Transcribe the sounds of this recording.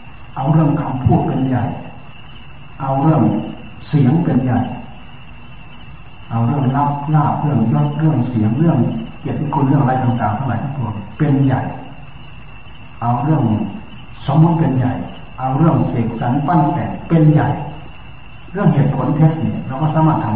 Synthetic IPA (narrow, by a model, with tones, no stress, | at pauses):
ʔa˧wɾɯ˥˩əŋkʰa˧mpʰu˥˩t̪̚pe˧nja˨˩j | ʔa˧wɾɯ˥˩əŋ | si˨˩˦əŋpe˧nja˨˩j | ʔa˧wɾɯ˥˩əŋla˦˥p̚laː˥˩p̚ɾɯ˥˩əŋjɔ˧˥˩k̚ɾɯ˥˩əŋsi˩˦əŋɾɯ˥˩əŋke˨˩t̪̚kʰu˧nɾɯ˥˩əʔa˧a˧jt̪aː˨˩ŋt̪aː˨˩ŋtʰa˧˩la˨˩kʰa˧˥˩ŋpʰo˧npe˧nja̰˨˩j | ʔa˧wɾɯ˥˩əŋ | so˨˦mːu˧˦˥t̪̚pe˧nja̰˨˩j | ʔa˧wɾɯ˥˩əŋseː˨˩k̪̚sa˩˦npa˥˩nt̪ɛ̰˨˩ŋpe˧nja˨˩j | ɾɯ˥˩əŋɦeː˨˩t̪̚pʰo˨˩˦nt̪ʰe˦˥t̪̚ni˧˩lɛː˧˩wkɔː˧˥˩saː˦maː˥˩t̪ʰːa˧